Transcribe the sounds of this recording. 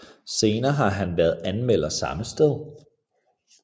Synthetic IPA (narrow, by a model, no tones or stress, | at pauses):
se̝ːnɐːɦɑ̈ɦænʋæɐðˠænmel̰ɐsɑ̈məsd̥eð̞̰ˠ